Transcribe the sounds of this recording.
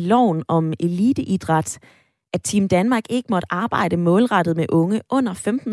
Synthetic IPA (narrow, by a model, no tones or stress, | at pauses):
lɒʊ̰nɒ̽me̝liːd̥əʔid̥ʁɑ̈d̥ | ʔæt͡sʰimd̥ænmɑ̈ːɡ̥e̝ɡ̥əmɒ̽ɾ̥ɑ̈ːb̥ɑ̈ɪ̰d̥əmɔ̽ːlʁɑ̈d̥ð̞̩ˠmeʔɔ̽ŋəʔɔ̽n̰ɐfemd̥n̩